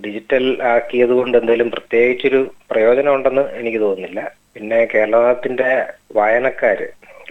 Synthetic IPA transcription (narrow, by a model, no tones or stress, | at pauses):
ɖid͡ʑitːɐlaːkːijɐðuko̞ɳɖe̞nd̪aːilumprɐt̪je̞ːɡit͡ɕːo̞ɾuprɐjo̞ːd͡ʑɐnɐmuɳɖe̞nːɨe̞nikʲːɨt̪o̞ːunːilːɐ | pinːe̞ke̞ːɾɭɐɐt̪ːinde̞ʋaːjɐnɐkːaːɾɨ̰